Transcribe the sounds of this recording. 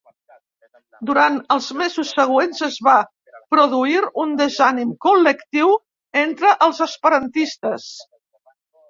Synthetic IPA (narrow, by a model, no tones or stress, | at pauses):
d̪uɾanəlˠzmezusːəɣ̞wenzəzβa | pɾuðuiɾund̪əzanimkuləkt̪iw | ent̪ɾəʔəlˠzəspəɾənt̪ist̪əs